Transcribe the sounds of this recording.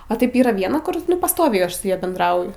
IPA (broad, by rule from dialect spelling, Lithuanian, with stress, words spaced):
ɐ ˈtɐɪp ˈiːrɐ ˈʋʲiɛnɐ ˈkʊr ˈnʊ pɐsˈtoːʋʲɛɪ ˈɐʃ sʊ ˈjɛ bʲɛndˈrɐʊjʊ